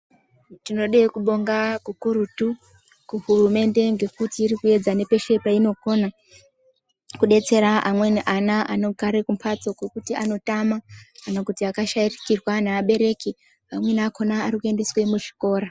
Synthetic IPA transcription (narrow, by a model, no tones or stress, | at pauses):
tino̞ɗekuɓo̞ŋɡakukuɾutu | kuɦurume̞nde̞ŋɡe̞kutiːrikue̞d͡zane̞pe̞ʃe̞paino̞ko̞na | kuɗe̞t͡se̞ɾaʔamwe̞niʔanaano̞ɡaɾekumpʰat͡so̞kwekutia̰no̞tamakanakutiakaʃairikirwanaːɓe̞ɾe̞ki | amwe̞nakʰo̞naːrikue̞nde̞swe̞muʒi̥ko̞ːɾa